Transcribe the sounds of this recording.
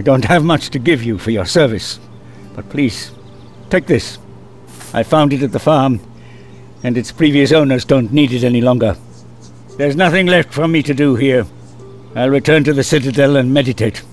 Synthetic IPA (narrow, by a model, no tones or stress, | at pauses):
aɪdõʊ̃nt̚hɨvmʌt͡ʃtʰɨɡɪvjɨfə˞jə˞sɜ˞vɨs | b̥ʌt̚pʰl̥iz̥ | tʰeɪk̚ðɪs | ʔaɪfãʊ̃ndɨɾɨt̪̚ðəfɑɹm | ɨ̃nɨtspʰɹ̥iviɨsõʊ̃nə˞zdõʊ̃nːiɾɨɾɛnilɔ̃ŋɡə˞ | ðə˞znʌθɪ̃ŋlɛftfə˞miɾɨdɨhiɹ | aɪlˠɹɨtʰɜ̃˞ntɨðɨsɪɾɨdɛlˠə̃nmɛɾɨtʰeɪt